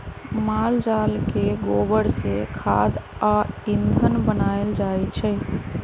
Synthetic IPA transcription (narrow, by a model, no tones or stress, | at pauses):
mald͡ʒalkeɡobəɽsḛkʰa̰d̪aind̪ʱənbənaeld͡ʒajt͡ʃʰɛ